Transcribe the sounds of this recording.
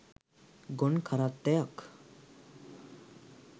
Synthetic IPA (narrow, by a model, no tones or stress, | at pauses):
ɡonkʰaɾat̪ːejak